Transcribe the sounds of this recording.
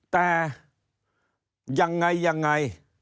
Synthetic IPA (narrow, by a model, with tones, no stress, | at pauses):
t̪aː˧ | za˨˩ŋːa˨˩jza˨˩ŋːa˨˩j